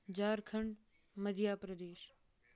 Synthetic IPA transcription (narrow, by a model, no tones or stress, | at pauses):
d͡ʑaːɾkʰəɳ | məd̪ʱjaːpɾəd̪eːʃ